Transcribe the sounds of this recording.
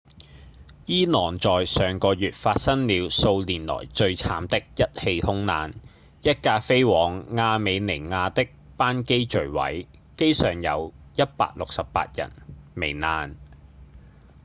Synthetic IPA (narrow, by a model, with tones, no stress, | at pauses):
jiː˥nɔː˨˩ŋt͡sɔː˨˩jsœː˨ŋkɔː˧jyː˨t̚faː˧t̚sɐ˥ŋliː˨˧wso˧wliː˨˩nlɔ̰ː˨˩jt͡ʃɵ˧ɥt͡sʰaː˨˧mt̪ɪ˥k̚jɐ˥t̚he˧jhʊ˥ŋnaː˨˧n | jɐ˥t̚kaː˧fe˥jwɔː˨˥ŋːaː˧me˨˧jne˨˩ŋaː˧t̪ɪ˥k̚ | paː˥nke˥jt͡ʃɵ˨˩ɥwɐ̰˨˥j | ke˥jsœː˨˩ŋjɐ˨˧wjɐ˥t̚pa̰ː˧k̚lʊ˨k̚sɐ˨ppa̰ː˧t̚jɐ̰˨˩nme˨˩jnaː˨˧n